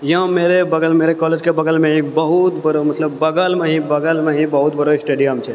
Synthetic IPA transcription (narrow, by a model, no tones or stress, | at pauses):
jɦãmeːɾebəɡəlmeːɾekɔːleːd͡ʒkebəɡəlmẽɦibəɦut̪bəɾomɐt̪ləbːəɡəlmẽɦibəɡəlmẽɦibəɦut̪̚bʱəɾoɪsʈeːɖijəmt͡ʃʰɛ